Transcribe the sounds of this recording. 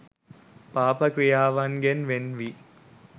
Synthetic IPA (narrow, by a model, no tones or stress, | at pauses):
paːpəkɾijaːʋaŋɡenʋenʋi